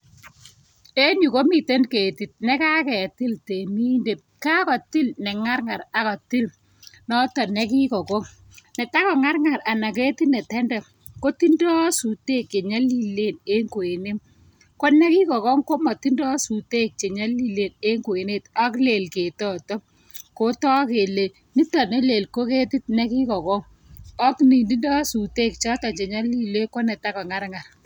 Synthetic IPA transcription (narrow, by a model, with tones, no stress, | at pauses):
e˦ɲu˨ko˦mi˨te˦nke˨ti˨t̚nɛ˦ka˦kɛ˨ti˦lte˨mi˦nde˨p̚ka˦kɔ˨ti˦lnɛ˨ŋa˦ɾŋa˨ɾa˨kɔ˨ti˦l | nɔ˦tɔ˨nɛ˦k̬i˦kɔ˨kɔ˦ŋ | nɛ˨ta˦kɔ˨ŋa˦ɾŋa˨ɾa˨na˨ke˦ti˦nɛ˨tɛ˦ndɛ˨ | ko˦ti˦ndɔ˦su˨teː˦kt͡ʃe˨ɲa˦li˦le˦ne˦ŋko˨e˨ne˦m | ko˦nɛ˦ki˦kɔ˨kɔ˦ŋko˦ma˨ti˦ndɔ˦su˨te˦k̚t͡ʃe˨ɲa˦li˦le˦˨ne˦ŋɡo˨e˨ne˦˨ta˦kle˨lke˨tɔ˦˨tɔ˦m | ko˦tɔ˦ke˨le˨ | ni˦ta˨ne˦le˨lko˦ke˦ti˦t̚nɛ˦ki˦kɔ˨kɔ˦ŋ | ɔ˦kni˨ndi˦ndɔ˦su˨te˦k̚t͡ʃɔ˦tɔ˨t͡ʃe˨ɲa˦li˦le˦ko˦nɛ˨ta˦kɔ˨ŋa˦ɾŋa˨r